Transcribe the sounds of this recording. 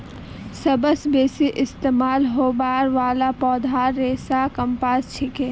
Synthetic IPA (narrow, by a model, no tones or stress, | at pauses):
sɐbəsbeːsiʔɪst̪eːmaːlɦoːbaːɾʋaːlapɔːd̪ʱaːɾːeːsaːkɐmpaːst͡ʃʰɪkeː